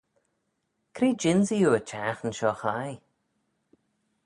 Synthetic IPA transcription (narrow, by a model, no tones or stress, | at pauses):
kʰɾiːd͡ʒɪnzijuːət͡ʃʰaːxənʃɔːxaj